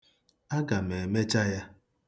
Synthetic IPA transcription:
a˦ɡa˨me˨e˨me˦t͡ʃa˦ja˦

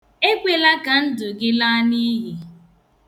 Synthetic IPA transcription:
e˦kʷe˨la˦ka˨n̩˦dʊ˨ɡɪ˦la˦ni˦ɦi˨

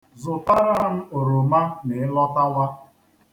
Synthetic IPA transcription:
zʊ˨ta˦ɾa˦n̩˦o˨ɾo˨ma˦nɪ˨ɪ˦lɔ˦ta˦wa˦

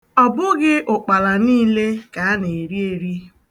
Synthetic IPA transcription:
ɔ˨bʊ˦ɡɪ˦ʔʊ˨k͡pa˨la˨niː˦le˦ka˨a˦ne˨e˨ɾi˦e˨ɾi˦

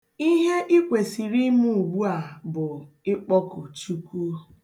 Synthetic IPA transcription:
i˦ɦe˦ʔi˦kʷe˨si˨ɾi˦mu˦˨u˨ɡ͡bu˦a˨bʊ˨ | ɪ˦k͡pɔ˦kʊ˨t͡ʃu˦ku˦

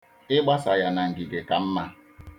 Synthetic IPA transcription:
ɪ˦ɡ͡ba˦sa˨ja˨na˨ŋ̩˨ɡi˨ɡe˨ka˨m̩˦ma˦

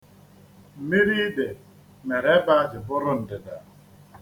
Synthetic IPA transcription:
mi˦ɾiː˦de˨ | mɛ˨ɾɛ˦ba˦sɪ˨bʊ˦ɾʊ˦˨n̩˨dɪ˨da˨

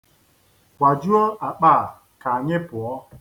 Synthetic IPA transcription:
kʷa˨d͡ʒu˦ɔ˦ʔa˨k͡paː˦˨ | ka˨ɲɪ˦pʊ˨ɔ˦

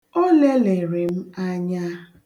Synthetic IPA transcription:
o˦le˦le˨ɾɪ˨m̩˦a˦ɲa˦

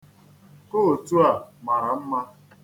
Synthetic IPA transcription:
ko˦o˨tu˦a˨ma˨ɾa˨m̩˦ma˦

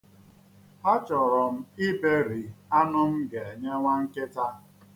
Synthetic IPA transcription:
a˦t͡ʃɔ˨ɾɔ˨m̩˦i˦be˦ɾi˨a˦nʊ˦m̩˦ɡe˨e˨ɲe˦ŋʷa˦ŋ̩˦kɪ˦ta˦

